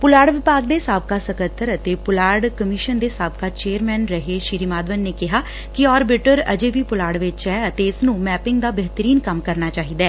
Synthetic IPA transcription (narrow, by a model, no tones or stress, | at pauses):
pʊlaːɽʋɪpaːɡ̚d̪eːsaːb̚kaːsəkət̪ʰːəɾət̪eːpʊlaːɽkəmɪːʃənd̪eːsaːb̚kaːt͡ʃeːəɾmɛːnɾəɦeːʃiːɾiːmaːd̪ʋənːeːkɪɦaː | kɪɔːɾbɪʈəɾə̰d͡ʒeːʋiːpʊlaːɽʋɪt͡ʃɛːət̪eːɪsnũːmɛːpɪŋɡd̪aːbɛɦt̪əɾiːnkəmkəɾnaːt͡ʃaːɦiːd̪ɛː